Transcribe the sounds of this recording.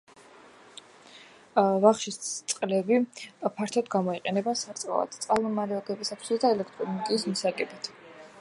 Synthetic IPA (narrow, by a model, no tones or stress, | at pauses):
vaχʃist̪sʼqʼlɛbipʰaɾt̪ʰɔd̪ɡamɔiqʼɛnɛbasaɾt̪ʼa̰va̰t̪t̪sʼalˠmɔmaɾɛɔɡɛbisat̪ʰsad̪aɛlɛkʰt̪ʼɾɔnɔɡ̪ʼiːsmisaɡɛbit̪ʰ